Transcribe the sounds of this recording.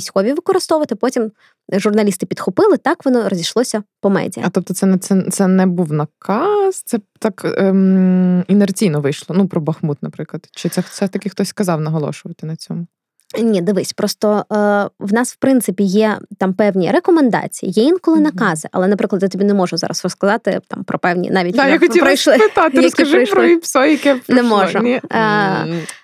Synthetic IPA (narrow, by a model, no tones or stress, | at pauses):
sʲxɔʋʲiʋɪkɔɾɨst̪ɔʋɐt̪ɪpɔtʲim | ʒʊrnɐlʲist̪ɪpʲid̪xʊpɪlˠɪt̪ɑkʋɔnɔɾɔzʲiʃlˠɔsʲɐpɔmɛ̰dʲḭj̰ɐt̪ɔp̚t̪ɔt̪sɛnɛt̪sɛt̪sɛnɛbuwnɐkɑz̥t̪ɛt̪ɑk | inɛrt͡sʲijnɔʋɪjʃlˠɔnupɾɔbɐxmut̪nɐpɾɪklˠɐd̪̥t͡ʃɪt̪sɛsɛt̪ɐkʲɪxt̪ɔsʲskɐzɑwnɐɦɔlˠɔ̰ʃʊʋɐt̪ɪnɐt͡sʲɔmʊ | nʲid̪ɪʋɪsʲpɾɔst̪ɔ | wnɑswpɾɪnt̪sɪpʲijɛt̪ɑmpɛwnʲiɾekɔmend̪ɑ̰t͡sʲijḭjɛinkɔlˠɪnɐkɑzɪʔɐ̰lˠɛnɐpɾɪklɐd̪jat̪ɔbʲinɛmɔʒʊzɑ̰ɾɐsrɔskɐzɑt̪ɪ̰t̪ɑ̰mpɾɔpɛwnʲḭnɑʋʲitd̪ʲjaxɔtipɾɔjʃlˠɪpɪt̪ɑt̪ɪjɔskɐʒɪjpɾɔipsɔjɐkɛnɛmɔʒʊi